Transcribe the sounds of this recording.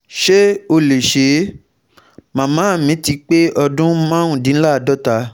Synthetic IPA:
ʃe˦o˧le˨ʃe˨˦ | mã˨mãː˨˦˨mĩ˨˦ti˧k͡pe˦ʔɔ˧dũ˦mã˦ũ˦˨dĩ˨˦n̩˦la˦˨dɔ˦ta˧˦

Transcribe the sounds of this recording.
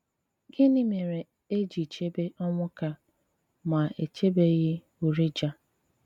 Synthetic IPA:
ɡɪ˦nɪ˦me˨ɾe˨ | e˦d͡ʒi˨t͡ʃe˦be˦ʔɔ˦ŋʷʊ˦ka˦ | ma˨e˨t͡ʃe˦be˦ɣɪ˦ | u˨ɾi˦d͡ʒa˦

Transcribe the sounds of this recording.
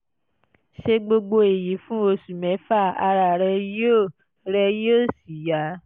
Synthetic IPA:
ʃe˧ɡ͡bo˧ɡ͡bo˧e˨ji˨˦fũ˦wo˧su˨mɛ̃˨˦fa˦˨a˧ɾa˨ɾɛ˧jo˦˨ | ɾɛ˧jo˦˨si˨ja˨˦

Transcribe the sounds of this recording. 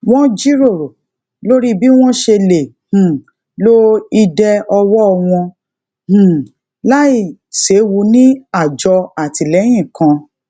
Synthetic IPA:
w̃ɔ̃˦d͡ʒi˦ɾo˦˨ɾo˨ | lo˦ɾi˦bi˦w̃ɔ̃˦ʃe˧le˨ | h̩˨ | lo˦i˧dɛ˧ɔ˧wɔ˦˧w̃ɔ̃˧ | h̩˨ | la˦i˦˨se˨˦wu˧nĩ˦a˦˨d͡ʒɔ˧a˨ti˧lɛ˨˦j̃ĩ˦˨kã˧

